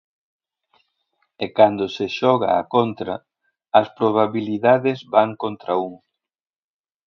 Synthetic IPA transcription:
ekand̪oseʃɔɣa̰a̰kont̪ɾɐ | ɐspɾoβaβiliðaðezbaŋkont̪ɾauŋ

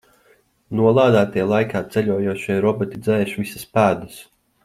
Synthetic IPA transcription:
nuɔlˠaːd̪aːt̪ijlˠajkaːt̪sɛlʲujuɔʃijɾɔbɔt̪id̪zɛːʃvisaspæːd̪ɨs

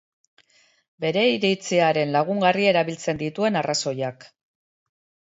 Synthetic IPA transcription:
be̞ɾe̞iɾejt͡seaɾe̞nlaɣ̞uŋɡarie̞ɾaβilt͡se̞nd̪it̪ue̞naraso̞jak

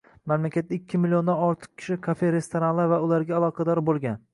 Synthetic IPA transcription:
mamlakʲat̪̚ːaɪkʲʰːɪmɪlio̞nd̪anɒɾt̪ʰɨ̥q̚kʲʰɪ̥ʃɪkʰafeɾe̞st̪ʰoɾanlaɾvaʊlaɾɡʲaːlˠɒqʰɑd̪ɒɾbolˠɡʲan

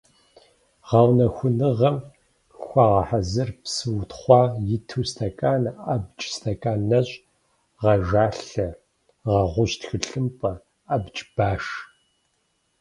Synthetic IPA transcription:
ʁɐwnɐxʷʊnɨʁɐm | xʷɑʁɐħazɨrpsɨwtχʷɑːjɪtʰuːstʰɐkʼaːnabt͡ʃʼstʰɐkʼaːnːɐɕʼ | ʁɐʒaːɬɐ | ʁɐʁʷʊɕtxɨɬɨmpʼɐ | abt͡ʃʼb̥aːʂ

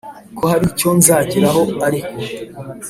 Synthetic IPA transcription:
kʰohaɾico̞nzaːɟiɾaɦo̞aɾiko

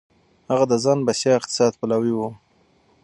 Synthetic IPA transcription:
haɣad̪əzɑnbasjɑɪqt̪ɪ̥sɑd̪̚palawiwu

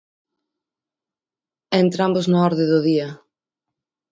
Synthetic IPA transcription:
ent̪ɾamboznʊɔɾðɪðʊðiɐ

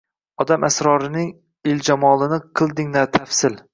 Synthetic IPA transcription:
ɒd̪amʔasɾɒɾɪnɪŋ | ɪld͡ʒamɒlˠɪnɪqʰɨlˠd̪ɪŋnat̪ʰafsɪl

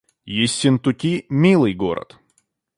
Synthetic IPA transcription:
jesʲɪnt̪ʊkʲimʲilˠɨjɡoɾə̰t̪

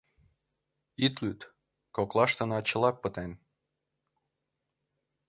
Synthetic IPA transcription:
it̪lyt̪ | koklˠɑʃt̪ɤ̆nɑt͡ɕə̆lɑpːət̪en

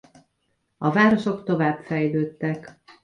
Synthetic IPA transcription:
ɒvaːɾo̞ʃo̞kt̪o̞vaːbfɛjløːt̪ːɛk

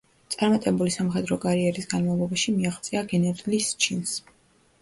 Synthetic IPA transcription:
t̪sʼaɾmat̪ʼɛbulisamχɛd̪ɾɔkʼaɾiɛɾisɡanmavlˠɔbaʃimiaχt̪sʼiaɡɛnɛɾlist͡ʃʰins

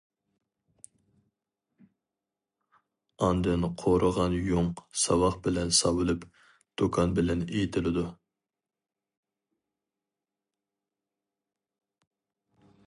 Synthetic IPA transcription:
ɑnd̪ɨnqʰoɾʔəʁɑnjoŋsɑwɑχbɪlɛnsɑwɨlˠɨp | d̪̥okʰɑnbɪlɛnejit̪ʰɪlɪd̪u

